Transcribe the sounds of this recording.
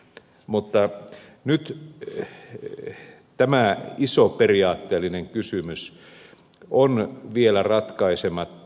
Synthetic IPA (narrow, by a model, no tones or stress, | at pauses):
mut̪ːɑnyt̪ | t̪æmæisoperiɑːt̪ːeːlːineŋkysymys | onʋielærɑt̪kɑisemɑt̪ː